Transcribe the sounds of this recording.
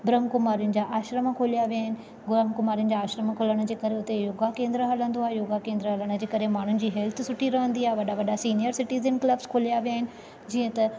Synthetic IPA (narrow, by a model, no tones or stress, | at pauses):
bɾəmkʊmaːɾjʊnɪ̆d͡ʑaʔaːʃɾəmkʰoːlijaʋijaːɦɪnɪ̆ | ɡʊɾəmkʊmaːɾijʊ̃nɪ̆d͡ʑaaːʃɾəmkʰoːləɽ̃ʊd͡ʑeːkɐɾeʊt̪ejoːɡakẽːnd̪ɾəɦɐlə̃nd̪oaːɦejoːɡakẽːnd̪ɾəɦɐləɽ̃ʊ̆d͡ʑeːkɐɾemaːɳ̤ʊnɪ̆d͡ʑiːɦɛlt̪ʰʊsʊʈʰiɾɐɦə̃nd̪iaːɦeʋɐɗaʋɐɗasiːnijəɾsɪʈiːzənklɐbzkʰoːlijaʋijaːɦɪnɪ̆ | d͡ʑiːə̃t̪ɐ